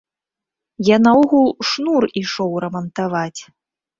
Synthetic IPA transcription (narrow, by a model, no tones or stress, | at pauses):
janaɔɣulˠʂnuriʂɔwɾɐmɐnt̪avat͡sʲ